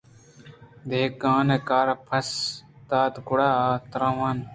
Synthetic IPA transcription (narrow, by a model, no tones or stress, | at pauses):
d̪eːkaːnekaːɾpʰɐs | t̪aːt̪kʊɽaːt̪ɾãːʋaːn